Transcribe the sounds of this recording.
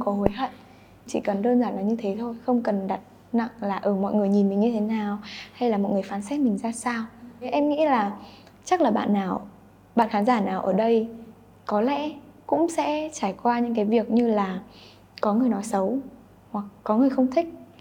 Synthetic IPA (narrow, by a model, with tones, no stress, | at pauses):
xə˧wŋ͡mkɔ˨˦ho˨˦jɦə̰˧˨ | t͡ɕḭ˧˨kə˨˩nɗəː˧nzaː˧˩nlaː˨˩ɲɨ˧t̪ʰe˨˦t̪ʰo˧jxə˧wŋ͡mkə˨˩nɗa˨˩t̚ | na̰˧˨ŋlaː˨˩ʔəː˧˩mɔ̰˧˨jŋɨ˨˩əjɲi˨˩nmï˨˩ŋ̟ɲɨ˧t̪ʰe˨˦naː˨˩wha˧jlaː˨˩mɔ̰˧˨jŋɨ˨˩əjfaː˨˦nsɛ˦˥t̚mï˨˩ŋ̟zaː˧saː˧wʔɛ˧mŋḭ˧˥laː˨˩ | t͡ɕa˦˥k̚laː˨˩ɓa̰ː˧˨nːaː˨˩w | ɓa̰ː˧˨nxaː˨˦nzaː˧˩naː˨˩wʔəː˧˩ɗə˧j | kɔ˨˦lɛ̰˧˥ | kʊ̰˧˥ŋ͡msɛ̰˧˥t͡ɕaː˧˩jkwaː˧ɲɨ̰˧˥ŋk̬aː˨˦jvi˨˩ək̚ɲɨ˧laː˨˩ | kɔ˨˦ŋɨ˨˩əjnɔ˨˦sə˨˦w | hwa˨˩k̚ːɔ˨˦ŋɨ˨˩əjxə˧wŋ͡mt̪ʰï˦˥k̟̚